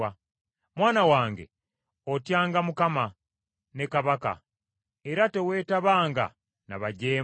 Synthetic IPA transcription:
a | mwaːnawaːŋɡḛ | otjaːŋɡamukama | ne̞kaβaka̰ | e̞ɾate̞we̞ːtaβaːŋɡa̰ | na̰βaɟeː

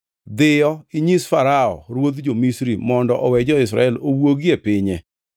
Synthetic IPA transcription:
d̪ɪjɔiɲisfaɾaɔ̰ɾwod̪d͡ʒomisɾimɔndɔʔɔwɛd͡ʒɔɪsɾa̰ɛlowoɡjepɪɲɛ

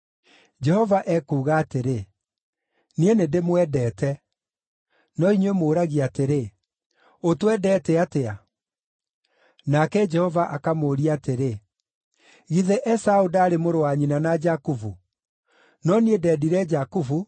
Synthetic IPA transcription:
d͡ʒɛhɔvaʔɛkuːɣaːteɾe | nienedemwɛdɛːtɛ | nɔinwemoːɾaɣiateɾe | otwɛdɛːtɛatea | nakɛd͡ʒɛhɔvaʔakamoːɾiateɾe | ɣiðɛʔɛsaudaːɾemoɾowaɲinanad͡ʒakuvu | nɔniedɛdiɾɛd͡ʒakuvu

